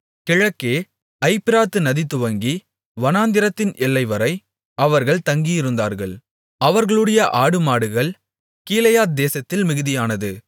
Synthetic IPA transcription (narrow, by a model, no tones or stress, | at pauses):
kɪɻɐkːeː | ɐɪpːɪɾaːt̪ːɯnɐðɪt̪ːɯʋɐŋɡi | ʋɐnaːnd̪ɪɾɐt̪ːɪnʔɛlːɐɪʋɐɾɐɪ | ɐʋɐɾɣɐɭt̪ɐŋɡijɪɾɯnd̪aːɾɣɐɭ | ɐʋɐɾɣɐɭɯɽɐjɐʔaːɽɯmaːɽɯɣɐɭ | kiːlɐjaːt̪̚d̪eːsɐt̪ːɪlmɪɣɯðɪjaːnɐðɯ